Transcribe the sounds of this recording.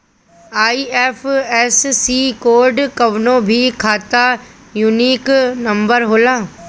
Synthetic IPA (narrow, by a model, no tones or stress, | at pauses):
aːiɛːfʰɛːsːikoːɾɖkɐʋnõbʱikʰaːt̪a | juniːknɐ̃mbəɾɦoːlaː